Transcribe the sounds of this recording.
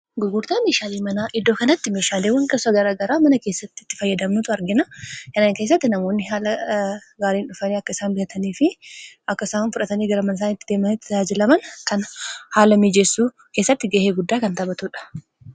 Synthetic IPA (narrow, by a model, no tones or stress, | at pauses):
ɡʊɡʊɾt̪aːmeːʃaːleːmɐnaːʔɪd̪ːoːkɐnɐt̪ːɪmeːʃaːlewɐŋkʼɐsɐɡɐɾaːɡɐɾaːmɐnɐke̞ːsːɐt̪ːɪt̪ːɪ̥fɐjːɐd̪ɐmnʊt̪ʊɐɾɡɪnɐkɐnaːŋke̞ːs̬ːɐt̪ːɪnɐmoːnːɪɦaːlɐɡaːɾiːnʊfɐniːɐkːɐɪsaːnbɪhɐt̪ɐniːfɪʔɐkːɐɪsaːnfʊᶑɐt̪ɐniːɡɐɾɐmɐns̬aːnɪt̪ːɪd̪eːmɐnɪt̪ːɪaːd͡ʒɪlɐmɐnkɐnhaːlɐmiːd͡ʒɛsːuː | ke̞ːsːɐt̪ːɪɡeːheːɡʊd̪ːaːkɐnt̪ɐbɐt̪ʊᶑɐ̥